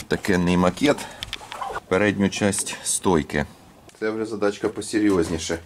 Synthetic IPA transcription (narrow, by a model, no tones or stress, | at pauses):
t̪ɐkɛnːɪjmɐkʲɛt̪ | peɾɛdʲnʲʊt͡ʃasʲtʲst̪ɔjkɪ̰ | t̪sɛwʒɛzɐd̪ɑt͡ʃkɐpɔsʲɪɾʲjɔzʲnʲiʃɛ